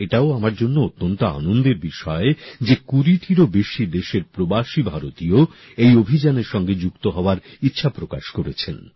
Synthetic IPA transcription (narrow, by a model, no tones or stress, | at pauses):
eʈaoamaɾd͡ʑonːoot̪ːont̪oa̰nond̪eɾbiʃɔed͡ʑekuɾiʈʰiɾobeʃid̪eʃeɾpɾobaʃibʱaɾot̪io | ejobʱid͡ʑaneɾʃɔŋɡed͡ʑukt̪oɦɔoaɾitːɕʰapɾokaʃkoɾet͡ɕʰen